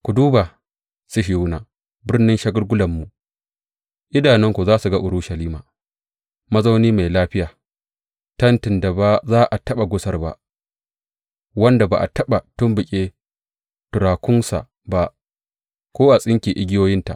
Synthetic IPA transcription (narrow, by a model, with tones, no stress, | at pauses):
kʷu˨duː˦ba˨ | sʊ˦ʃɪ˨wʊ˦naː˨ | bɪ˦rnɪ˦nʃɐ˦ɡʊ˦ɽɡʷʊ˦lɐ˨mːu˨ʔ | ʔɪ˦daː˨nɛ˦ŋkʷu˨zaː˦su˨ɡa˦ʔʊ˨ɾʊ˦ʃɐ˨liː˦maː˨ | mɐ˦za˦wniː˦ma˨jlaː˦ɸɪ˦jaː˨ | tɐ˦ntɪ˨nda˨ba˦zaː˦ʔa˨tɐ˦ɓa˨ɡʷʊ˦sɐ˦rba̰˦ʔ | wɐ˦nda˨ba̰˨ʔa̰˨tɐ˦ɓa˨tʊ˦mbɪ˨kʲʼeː˦ | tʊ˨ɾaː˨kʷʊ˦nsa̰˨ʔ | ba˦ʔ | kʷoː˦ʔa˨sʼɪ˦ŋkʲiː˨ʔɪ˦ɡʲɪ˦joː˦jɪ˦nta̰˨ʔ